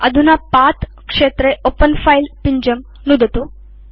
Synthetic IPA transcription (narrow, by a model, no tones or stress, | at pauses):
ɐd̪ʱunapat̪ | kʂet̪ɾeʔopənfailpiɲd͡ʑəm | nud̪ʱət̪u